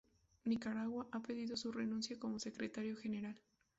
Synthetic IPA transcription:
nikaɾaɣwaʔape̞ðiðo̞surenũnsjako̞mo̞se̞kɾet̪aɾjo̞xe̞ne̞ɾal

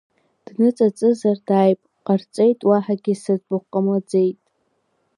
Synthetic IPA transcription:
d̥nɨt͡sʼat͡sʼɨzardaːjpʼqʼart͡sʼejtʼwaħaɡʲɪsazbʊqʼamad͡zejtʼ

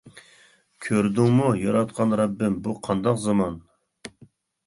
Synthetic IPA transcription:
kʲʰøɾd̪uŋmujɑɾɑt̪̚qʰɑnɾɑbːɪmbuqʰɑnd̪ɑqzɑmɑn

